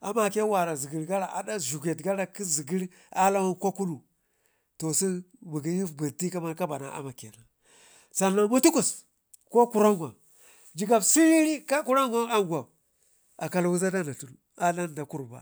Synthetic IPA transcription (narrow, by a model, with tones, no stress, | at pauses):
a˨ma˨ke˦wa˨ɾa˨zi˨ɡi˨ɾɡa˦ɾa˨ʔa̰˨da˦ʒu˨ɡe˨tɡa˦ɾa˦˨ki˦zi˨ɡi˦ɾ | a˦la˦wa˦nko˦ku˦nu˨ | to˨si˦ | bu˨ɡi˨ji˦fbə˨ti˦ka˦ma˦ɾka˦ba˨na̰˨ʔa̰˦ma˨kḛ˨na˨ | sa˨nːa˨mu˦tu˦ku˨s | ko˦ku˨ɾa˦ŋɡʷa˨ | d͡ʒi˨ɡa˨bsi˦ɾi˦ɾi˦ka˦ku˦ɾa˦ŋɡa˦a˦ŋɡʷa˨b | a˨ka˨lwu˦za˦da˦na˨tu˨nu˦˨a˦la˦n˨da˨ku˦ɾba̰˨